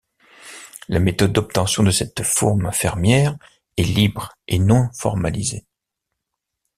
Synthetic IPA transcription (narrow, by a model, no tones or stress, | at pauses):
lamet̪ɔd̪̚ːɔp̚t̪ɑ̃sjɔ̃d̪əsɛt̪fɔʁmfɛʁmjɛːʁ | ɛlibʁenɔ̃fɔ̰ʁma̰lḭzḛ